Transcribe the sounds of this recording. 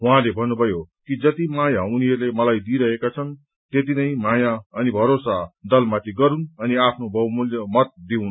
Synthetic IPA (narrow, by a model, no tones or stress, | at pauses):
wɦãlebʱʌnːubʱʌjokid͡zʌt̪imajauniɦʌɾrlemʌlajd̪iɾʌɦekat͡sʰʌn | t̪et̪̬inʌjmajaʌnibʱʌɾosad̪ʌlmat̪ʰiɡʌɾunʌniapʰnobʱʌmuljʌmʌt̪̚d̪iun